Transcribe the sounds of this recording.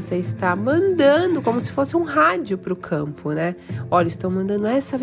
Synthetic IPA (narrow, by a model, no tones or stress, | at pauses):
seɪst̪amɐ̃nd̪ɐ̃d̪ʊkõmʊsɪ̥fosɪũɦad͡ʒʊpɾʊkʰɐ̃mpʊnɛɔʎɐɪst̪ɐ̃w̃mɐ̃nd̪ɐ̃nd̪ʊɛsɐv